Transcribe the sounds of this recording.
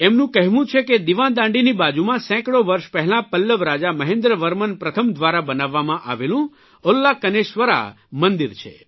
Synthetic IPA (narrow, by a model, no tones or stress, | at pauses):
emnũkəɦʋũt͡ʃʰeked̪iʋãnd̪ãɳɖinibad͡ʒumãsɛ̃kɽoʋəɾʃpəɦɛlãpəlːəʋɾad͡ʒaməɦẽnd̪ɾəʋəɾmənpɾət̪ʰəmd̪ʱʋaɾabənaʋːamãʔa̰ʋelũ | olːakəneʃʋəɾa̰ | mənd̪iɾt͡ʃʰḛ